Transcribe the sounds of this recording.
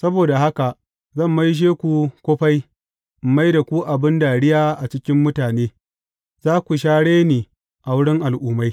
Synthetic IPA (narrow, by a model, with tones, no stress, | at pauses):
sɐ˦boː˨da˨ɦa˦ka˨ʔ | zɐ˦˨mːa˦jʃ̬eː˦kʷu˨kʷoː˦ɸa˦j | m̩˨ma˦jda˨kʷuː˦ʔa˨bɪ˦ndaː˨ɽɪ˦jaː˦ʔa˨t͡ʃɪ˦kʲɪ˦mːʊ˦taː˨neː˦ | zaː˦kʷu˨ʃaː˦ɽeː˦niː˨ | ʔa˨wʊ˦ɽɪ˦ŋʔa˨lʔuː˦ma˦j